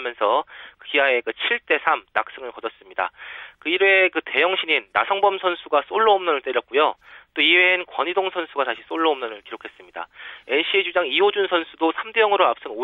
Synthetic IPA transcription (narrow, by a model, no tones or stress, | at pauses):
mjʌnsʰʌkɯkiae̞kɯt͡ɕʰiɭt͈e̞sʰamna̰k̚s͈ɯŋɯɭkʌd͡ʑʌs͈ɯmɲida̰kɯiɾekɯte̞jʌŋɕʰiɲinːa̰sʰʌŋbʌmsʰʌnsʰuɡas͈oɭːʌɦomnʌnɯɭt͈eɾjʌt̚k͈ujot͈oiwenkwʌɲidoŋsʰʌnsʰuɡataɕʰis͈oɭːʌɦomnʌnɯɭkiɾokʰe̞s͈ɯmɲida̰e̞ɕʰied͡ʑud͡ʑaŋiod͡ʑunsʰʌnsʰudosʰamdejʌŋɯɾoap̚s͈ɯno